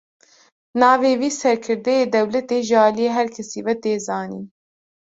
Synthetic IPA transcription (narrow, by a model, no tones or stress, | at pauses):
nɑːveːwiːsɛɾkʰɨɾd̪ɛjeːd̪ɛwlɛt̪eːʒɨɑːlijeːɦɛɾkʰɛsiːvɛt̪eːzɑːnḭːn